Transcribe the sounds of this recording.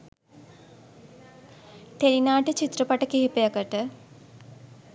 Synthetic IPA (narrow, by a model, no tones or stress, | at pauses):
t̪eɾinaːʈət͡ʃit̪rəpaʈəkeɦepəjəkəʈə